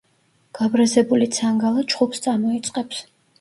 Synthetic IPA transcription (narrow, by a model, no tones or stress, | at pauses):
ɡ̥abɾazɛbulit̪sʰaŋɡalˠat͡ʃʰχupst̪sʼamɔit̪sʼqʼɛps